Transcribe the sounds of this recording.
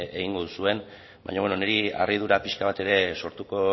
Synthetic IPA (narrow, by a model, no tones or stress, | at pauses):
eɣiŋɡo̞ðusue̞n | ba̰jɲoβenoneɾia̰rið̞uɾapiʃkaβat̪e̞ɾe̞so̞ɾt̪uko̞